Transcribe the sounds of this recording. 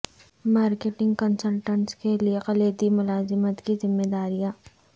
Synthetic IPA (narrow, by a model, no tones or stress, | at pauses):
maːɾkeʈɪ̃ŋɡkənsəlʈə̃ɳskelieqɐleːd̪imʊlaːzɪmət̪kizɪmːed̪aːɾijaː